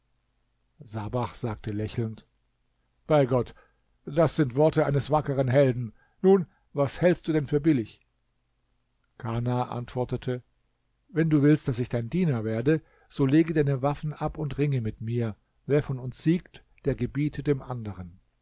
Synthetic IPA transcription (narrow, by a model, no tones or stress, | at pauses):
z̥abaχz̥aːk̚tʰəlɛçl̩nt | b̥aɪɡɔt | d̥asz̥ɪntv̥ɔɐtəaɪnəsv̥akəʁənɦɛldn̩ | nuːn | vashɛlstd̥uːdɛnfyːɐbɪlɪç | kʰanaʔa̰ntv̥ɔɐtətʰə | vɛnduːvɪlst̚d̥asɪçd̥aɪndiːnɐveːɐdə | z̥oːleːɡədaɪnəvafn̩ʔapʊntʁɪŋəmɪtmiːɐ | veːɐfɔnʊnsz̥iːkt | d̥eːɐɡəbiːtʰədeːmʔandəʁ̞ən